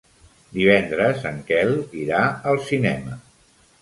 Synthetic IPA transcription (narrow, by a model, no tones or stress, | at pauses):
d̪iβɛnd̪ɾəzəŋkɛliɾaəlˠsinɛmə